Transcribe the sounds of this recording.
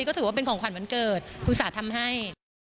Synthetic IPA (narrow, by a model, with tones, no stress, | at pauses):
i˧kɔː˥˩ɯː˩˦waː˥˩pe˧nkʰɔː˨˦kwa˧˩nma˨˦nkɤː˨˩t̪̚kʰu˧nsaː˩˦t̪ʰa˧mɦa˥˩j